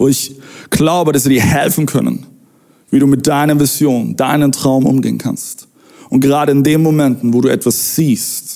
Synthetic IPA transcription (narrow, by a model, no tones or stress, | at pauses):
ʊɪçɡ̥laʊbəɾas̬v̥iːdiːɐhɛlfn̩kʰœ̰nə̰n | viːɾuːmɪt̚d̥aɪnɐvɪzjoːnd̥aɪnəntʁ̥aʊmʔʊ̰mɡeːənkʰa̰nst | ʔʊnt̚ɡ̥əʁ̞aːɾəɪndeːmːomɛntn̩voːduːʔɛtv̥asz̥iːst